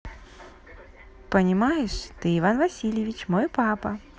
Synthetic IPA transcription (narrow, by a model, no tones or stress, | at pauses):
pɐnʲimajɛʂt̪ɨivanvasʲilʲjevʲit͡ɕmɔjpapɐ